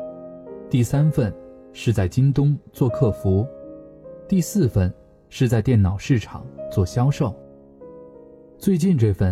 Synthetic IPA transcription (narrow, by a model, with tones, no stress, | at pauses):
t̪i˥˩sa˥nfə˥˧nʂɻ̩˥˧t͡sa˥˩ɪt͡ɕi˥nt̪̬ʊ˥ŋt͡swɔ˥˧kʰɤ˥˩fu˧˥ | t̪i˥˧sɹ̩˥˧fə˥˧n | ʂɻ̩˥˧t͡sa˥˧ɪt̪jɛ˥˩nnɑ˨˩ʊʂɻ̩˥˩ʈ͡ʂʰɑ̰˨˩˦ŋt͡swɔ˥˩ɕjɑ˥ʊʂo˥˩ʊ | t͡swe˥˧ɪt͡ɕi˥˧nʈ͡ʂɤ˥˧fə˥˩